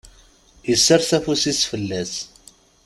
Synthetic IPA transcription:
jəsːəɾˤθæfusisfəlːæs

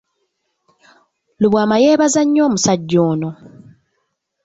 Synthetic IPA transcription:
luβwaːmaje̞ːβazaɲːoːmusaɟːoːno

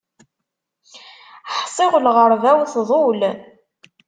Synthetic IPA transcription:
ħsˤɪʁlʁəɾvæwθðˤol

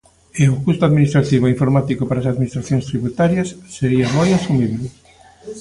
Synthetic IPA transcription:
eʊkust̪ʊaðminist̪ɾat̪iβoiɱfoɾmat̪ikʊpaɾasaðminist̪ɾaθjõŋst̪ɾiβut̪aɾjɐsːeɾiɐmojasumiβle

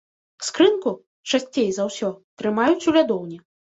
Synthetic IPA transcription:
skɾɨnku | t͡ʂasʲt͡sʲejzawsʲɔt̪ɾɨmajut͡sʲulʲad̪ɔwnʲi

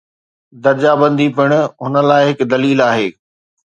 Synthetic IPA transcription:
d̪ɐɾd͡ʑaːbə̃nd̪ipɪɽ̃ɦʊnə̆laːɪɦɪkd̪ɐliːlaːɦeː

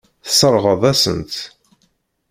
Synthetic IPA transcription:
θə̥səɾˤʁəðˤæsə̰nt̪

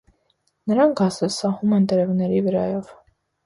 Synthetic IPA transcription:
nəɾɑŋkɑsəsɑhumɛnt̪ɛɾɛvnɛɾivəɾɑ̰jɔv

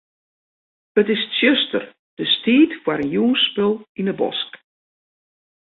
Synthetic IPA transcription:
ətɪstsjøstə̰r | d̥əstiːtfwaɾənjuːspølˠinəbɔ̰sk

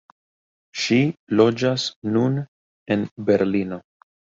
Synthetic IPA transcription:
ʃilo̞d͡ʒasnun | e̞nbe̞ɾlino̞

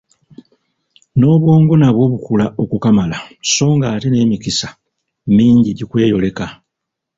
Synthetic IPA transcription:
no̞ːβwo̞ːŋɡo̞naβwo̞ːβukulao̞kukamalaso̞ːŋɡaːtine̞ːmikisḁ | miːɲɟiɟikwe̞ːjo̞le̞ka

